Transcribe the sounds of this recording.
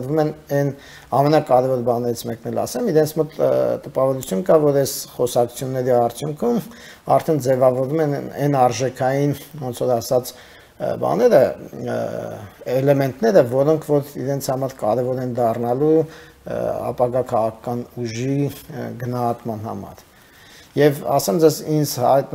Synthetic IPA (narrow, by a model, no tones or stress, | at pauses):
ɾvumɛnɛn | ɑmɛnɑkɑɾɛvɔɾbɑnɛɾit͡sʰmɛknɛlɑ̰sɛmiɾɛnt͡sʰmɔt̪t̪əpɑvɔɾut͡sʰjunkɑvɔɾɛz̥χɔsɑkʰu̥t͡sʰjunːɛɾiɑɾt͡sʰjuŋkʰum | ɑ̰ɾt̪ʰɛnd͡zɛvɑvɔɾumɛnɛnɑɾʒɛkʰɑjinɔnt͡sʰɔɾɑsɑt͡s | bɑ̰nɛɾə | ɛlɛmɛnt̪nɛɾəvɔɾɔŋkʰvɔɾiɾɛnt͡sʰhɑmɑɾkɑɾɛvɔɾɛnd̪ɑrnɑlu | ɑ̰pɑɡɑkʰɑʁɑkʰɑ̥kɑnuʒiɡənɑɦɑt̪mɑnhɑ̰mɑ̰ɾ | jɛvɑ̰sɛmd͡zɛzind͡zhɑjt̪